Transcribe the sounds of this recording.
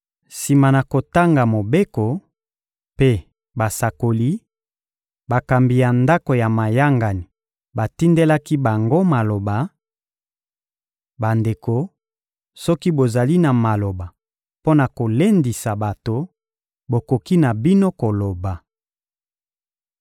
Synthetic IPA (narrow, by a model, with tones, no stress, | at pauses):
si˨ma˨na˨ko˨ta˦ŋɡa˨mo˨be˦ko˨ | pe˦ | ba˨sa˨ko˨li˦ | ba˨ka˨mbi˨ja˨nda˦ko˨ja˨ma˨ja˦ŋɡa˨ni˨ | ba˨ti˦nde˦la˦ki˦ba˨ŋɡo˦ma˨lo˨ba˨ | ba˨nde˨ko˨ | sɔ˦ki˦bo˨za˨li˦na˨ma˨lo˨ba˨ | po˦na˨ko˨le˦ndi˨sa˨ba˨to˨ | bo˨ko˨ki˦na˨bi˦no˦ko˨lo˨ba˨